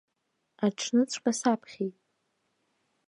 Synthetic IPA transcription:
aʈ͡ʂʰnɨt͡sʷʰʼqʼasapʰχʲejtʼ

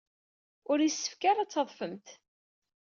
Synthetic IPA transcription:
ʊɾisːə̥fkaɾˤat͡sːəðˤfəmt̪

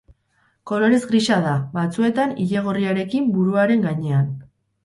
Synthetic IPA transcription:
ko̞lo̞ɾe̞zɡɾiʃaðaβat͡sue̞t̪aniʎe̞ɣ̞o̞riaɾe̞kimbuɾuaɾe̞ŋɡaɲe̞an

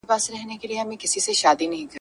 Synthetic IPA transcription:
paːsɾɛɦnekelieɦɐmẽkɪsiseʃaːd̪inɐɦĩkɐ

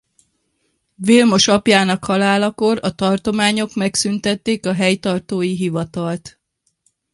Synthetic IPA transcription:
veːlmo̞ʃɒpjaːnɒkhɒlaːlɒko̞ɾɒt̪ɒrt̪o̞maːɲo̞kmɛksynt̪ɛt̪ːeːkɒɦɛjt̪ɒrt̪oːjiɦivɒt̪ɒlt̪

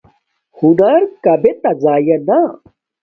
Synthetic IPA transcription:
hunɐɾkɐbet̪ɐd͡zaːjɐna

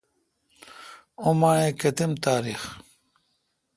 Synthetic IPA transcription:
umaɳẽkɐt̪imt̪aːɾix

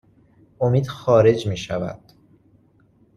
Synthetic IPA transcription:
ʔomiːd̪̥xɒːɾe̞d͡ʒmiːʃævæ̰d̪̥

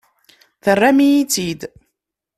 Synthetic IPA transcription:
θərˤːamijit͡sːid̪

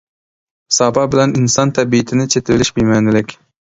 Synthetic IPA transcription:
sɑːbɑbɪlɛninsɑnt̪ʰɛbiɪt̪ʰɪnɪt͡ʃʰet̪ʰɪvɪlɪʃbimɛnɪlɪkʲ

